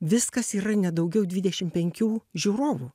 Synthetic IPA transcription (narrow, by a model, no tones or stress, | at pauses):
ʋʲɪskɐsiːɾɐnʲɛd̪ɐʊɡʲɛʊd̪ʲʋʲɪd̪ʲɛʃʲɪmpʲɛŋʲkʲuːʒʲuːɾoːʋuː